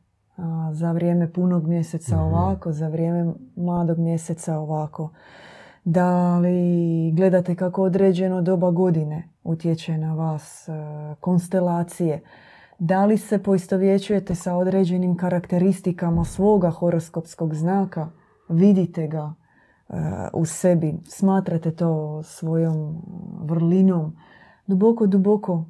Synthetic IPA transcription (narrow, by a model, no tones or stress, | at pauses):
zaʋɾje̞ːme̞punoɡmje̞se̞t̪sao̞ʋako̞zaʋɾje̞ːme̞mlˠaːd̪o̞ɡmje̞se̞t̪sao̞ʋako̞ | d̪aliɡle̞d̪at̪e̞kako̞od̪ɾeːd͡ʑe̞nod̪o̞baɡo̞d̪ine̞ | ut̪je̞t͡ɕanaʋaːsko̞nst̪e̞laːt̪sije̞ | d̪alise̞po̞ist̪o̞ʋje̞t͡ɕuje̞t̪e̞sao̞d̪ɾe̞d͡ʑe̞nimkaɾakt̪e̞ɾist̪ikamasʋo̞ːɡaxo̞ɾo̞sko̞psko̞ɡznaːka | ʋid̪it̪e̞ɡa̰ | ṵse̞bismaːt̪ɾat̪e̞t̪o̞ːsʋo̞jo̞mʋr̩lino̞m | d̪ubo̞ko̞d̪uboko̞